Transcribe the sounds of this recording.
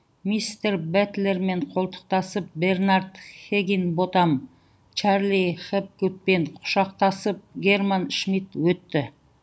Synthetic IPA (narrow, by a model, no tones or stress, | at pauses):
mist̪eɾbæt̪le̞ɾme̞ɴqʰolˠt̪ə̥q̚t̪ɑsəp̚be̞rnɑɾd̪χeɡʲinbot̪ɑm | t͡ʃʰɑɾliχep̚kut̪̚pe̞ɴqʰʊ̥ʃɑq̚t̪ɑsəp̚ɡʲe̞rmanʃmit̪wɵt̪ːɪ